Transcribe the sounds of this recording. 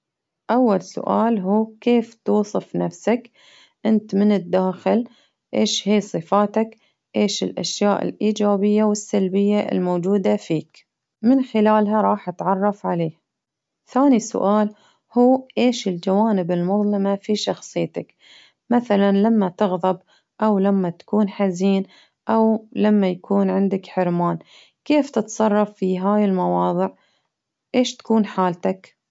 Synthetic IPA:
ʔawːalsʊ̰ʔaːlɦuːkeːft̪uːsˤɨfnafsak | ʔɪnt̪mɪnɪd̪ːaːxɪl | ʔeːʃhiːsˤɨfaːt̪ak | ʔeːʃɪlʔa̰ʃjaːʔɪ̰lʔiːd͡ʒaːbɪjːawɪsːalbɪjːaʔɪ̰lmoːd͡ʒuːd̪afiːk | mɪnxɪlaːlɦaɾˤɑːħʔat̪ʕɑrˤːɑfʕaleːh | θaːnisʊ̰ʔaːl | huːʔeːʃɪld͡ʒawaːnɪbɪlmʊðˤlɑmafiʃɑxsˤɨjːt̪ak | maθalanlamːat̪ɪɣðˤɑb̚ | ʔawlamːat̪ḁkuːnħaziːn | ʔawlamːajakʰuːnʕɪnd̪akħɪɾmaːn | keːft̪ɪt̪sˤɑrˤːɑfːiɦaːjɪlmɑwɑːðˤɨʕ | ʔeːʃt̪ḁkuːnħaːlt̪ak

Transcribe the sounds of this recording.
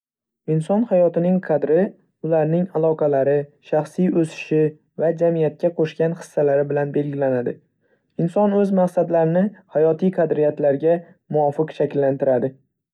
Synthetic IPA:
ɪnsɒnhajɒt̪ɪnɪŋqʰɑd̪ɾɪ | ʊlaɾnɪŋalˠɒqʰɑlaɾɪʃaχsijɵsɪ̥ʃɪ | vad͡ʒamijat̪̚kʲaqʰoʃkʲanχɨ̥sːalaɾɪbɪlanbe̞lɡʲɪlanad̪ɪ | ɪnsɒnɵzmaqsad̪laɾɪnɪhajɒt̪ʰijqʰɑd̪ɾijat̪laɾɡʲa | mʊwɒfɨqʃakʲlːant̪ɪɾad̪ɪ

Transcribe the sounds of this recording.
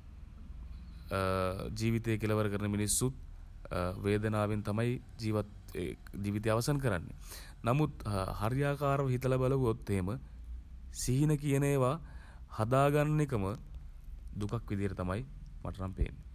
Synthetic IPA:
d͡ʒiːʋit̪ejəkeləʋəɾəkəɾənəminisːut̪̚ | ʋeːd̪ənaːʋent̪amaj | d͡ʒiːʋat̪ | d͡ʒiːʋit̪eaʋasank̬əɾa̰nːḛ | namut̪haɾjaːkaːɾəʋəɦit̪əlabaləʋujot̪ːeɦemə | siɦinəkijəneːʋa | had̪aːɡanːik̬əmə | d̪ukakʋid̪ijəʈət̪amajmʔa̰ʈɐɾampḛːnːe

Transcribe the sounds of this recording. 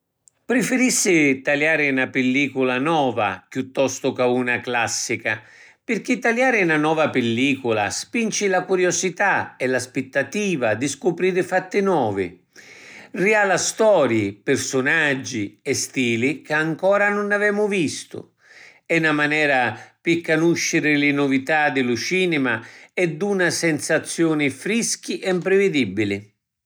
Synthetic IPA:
pɾɪfɪɾisːɪt̪aljaːɾɪnapɪlːiːkulanɔːva̰pjut̪ːɔst̪ʊkaunaklasːika | pɪrk̟it̪ːaljaːɾɪnanɔːvapɪlːiːkʊla̰spint͡ʃilakuɾjosit̪aɛlaspet̪ːat̪iːvad̪iskʊpɾiːɾɪfat̪ːɪnwɔːvɪ̰ | rialast̪ɔːɾjɪpɪɾsʊnad͡ʒːiɛst̪iːlikaŋkɔːɾanʊnavɛːmʊvist̪ʊ̰ | ɛnamanɛːɾapikːanuʃːɪɾɪlɪnʊvit̪ad̪ɪlʊt͡ʃiːnɪmaɛd̪ːunasɛnsat̪sːjɔːnɪfɾisk̟iʔɛmpɾɪvɪd̪ibːilɪ

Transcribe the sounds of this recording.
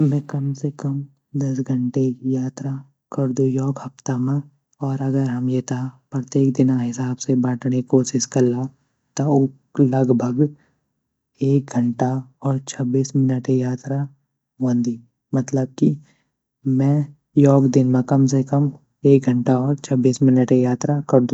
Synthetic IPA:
mɛ̃kɐmsekɐm | d̪ɐsɡʱɐɳʈejaːt̪ɾa | kɐɾd̪ujɔːkhɐft̪amã | ɔːɾɐɡəɾɦɐmjet̪ʰapɾət̪jeːk̚d̪ɪnaɦɪsaːbsebaːʈɽ̃ekoːʃɪʃkɐlːa | t̪o | lɐɡbʱəɡ | eːk̚ɡʱɐɳʈaɔːɾt͡ʃʰɐbiːsmɪnəʈijaːt̪ɾa | ʋõnd̪iː | mɐt̪ləb̚ki | mɛ̃ | jɔːkd̪ɪnmẽkɐmsekəm | eːk̚ɡʱɐ̃ɳʈaɔːɾt͡ʃʰɐbiːsmɪnəʈejaːt̪ɾakɐɾd̪ũ

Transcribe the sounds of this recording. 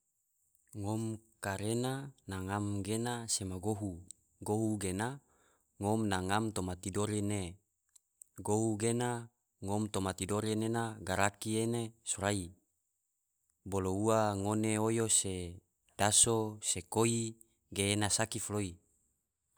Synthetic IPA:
ŋomkaɾenanaŋamɡenasemaɡoɦu | ɡoɦuɡena | ŋomnaŋamt̪omat̪idoɾene | ɡoɦuɡena | ŋomt̪omat̪idoɾenenaɡaɾakienesoɾai | bolouaŋoneojose | d̥asosekoi | ɡeːnasakifloi

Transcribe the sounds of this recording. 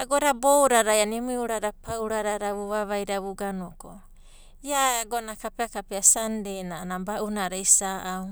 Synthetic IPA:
aɡoɾabowɾaɾajanimuiuɾaɾapʰawɾaɾaɾaβuβaβajɾaβuɡanoko̰ | jaɡonakapeakapeasandenanabaʔunaɾaisaʔaw

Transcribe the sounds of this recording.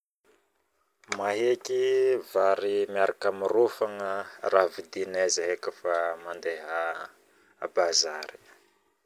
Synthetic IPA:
maɦekivaɾimjaɾʔakamirufaŋəravid̪inazaɦekəfamand̪eɦa | a̰baza̰ɾi̥

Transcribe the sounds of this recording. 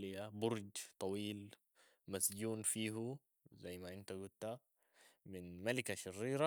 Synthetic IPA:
lijabʊɾˤd͡ʒt̪ˤɑwiːl | masɟuːnfiːɦu | zajːmaʔɪnt̪aɡʊt̪a | mɪnmalikaʃɪrːiːɾa

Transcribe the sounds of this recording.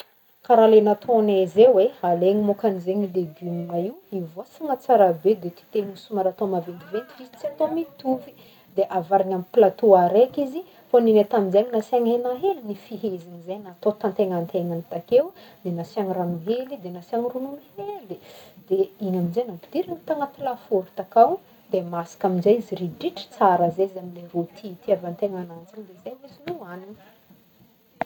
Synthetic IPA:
kaɾalenat̪ʰonezewealeɲimokanizeɲid̪eɡumunaiwivosiŋat͡saɾabed̪et̪i̥t̪eɲisumaɾat̪omavend̪ivent̪ivizit͡siat̪omit̪ufi̥ | d̪eʔavaɾaɲamiplat̪uaɾekizi | foninet̪amizeɲinasaŋenaɦelinifiɦeziɲizenat̪ot̪ant̪eŋant̪eŋant̪akewd̪enasiaŋiɾanuɦelid̪enasiaŋirununuheld̪id̪̥eiɲaminzenampi̥d̪̥iɾinit̪aŋəpilafuɾut̪akaw | d̪̥emasi̥kaminzajiziriɖ͡ʐiʈ͡ʂi̥t͡saɾəzeizamilerut̪ʰit̪iavant̪eŋanand͡zind̪ezeizinuananə̥

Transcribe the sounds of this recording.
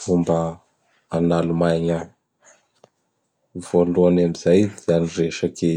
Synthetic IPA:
fumbəː | nalumajɲə | voluanamizajz̥eanireʃake

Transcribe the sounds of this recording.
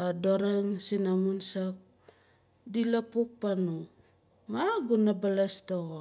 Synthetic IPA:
adoɾaŋsinamunsak̚ | dilapuk̚panuŋ | maɡunabalastoɣo

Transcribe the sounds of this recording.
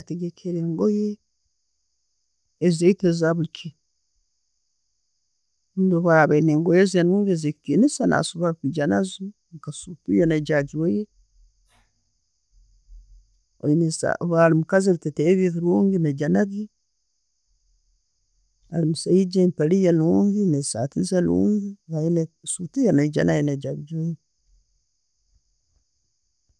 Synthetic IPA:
ateɡekʰeɾeːŋɡoje | ezeitezaβulkʰi | undoβaɾaβaineːŋɡojezenuːŋɡezekikinisana̰suβakiɟanazu | ŋkasupujenaɟad͡ʒiwoje | ojinesa̰βaɾimukaziluteteβiθiɾoːŋɡined͡ʒanaɡi | a̰limusaid͡ʒempelijenoŋɡinesa̰tizalṵːŋɡiβajinesutijanaid͡ʒa̰najinad͡ʒaβid͡ʒoje

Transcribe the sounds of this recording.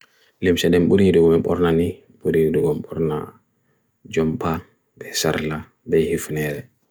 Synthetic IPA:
limsɛɗɛmɓuɾiiduɡɔmɛɓɔɾnani | ɓuɾiiduɡɔmɓɔɾna̰ | d͡ʒɔmpʰa | bɛsa̰ɾla | bɛhifnɛɾɛ

